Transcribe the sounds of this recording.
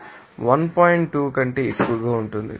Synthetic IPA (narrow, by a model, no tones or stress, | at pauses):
ʋɐnpaːjiɳʈːuːkɐɳʈe̞ːekːuʋɐɡaːuɳʈund̪ḭ